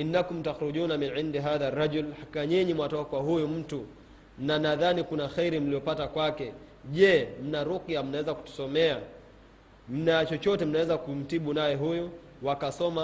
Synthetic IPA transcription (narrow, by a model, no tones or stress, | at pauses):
ʔinːakum̩taxɾuʄunaminʕindiɦaðarːad͡ʒulhaikaɲɛɲimwatɔakwaɦujum̩tu | nanaðanikunaxɛiɾim̩lijɔpatakwakɛ | ʄɛm̩naɾukiam̩nawɛzaku̥tu̥sɔmɛa | m̩nat͡ʃɔt͡ʃɔtɛm̩nawɛzakum̩tiɓunajɛɦuju | wakasɔma